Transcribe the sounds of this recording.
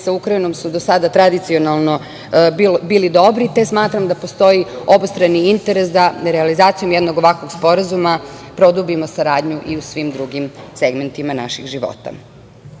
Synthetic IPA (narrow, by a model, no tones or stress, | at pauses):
saukɾaino̞msud̪o̞sad̪at̪ɾad̪it̪sio̞nalˠno̞ | bbiːlid̪o̞bɾit̪esmaːt̪ɾamd̪apo̞st̪o̞jio̞bst̪ɾaniint̪eɾesd̪aɾealizaːt̪sijo̞mjed̪noɡo̞ʋakʋo̞ɡspo̞ɾazumapɾo̞d̪ubimosaɾaːd̪ɲuʔiusʋimd̪ɾuɡimse̞ɡme̞nt̪imana̰ʃixʒiʋo̞̰t̪a̰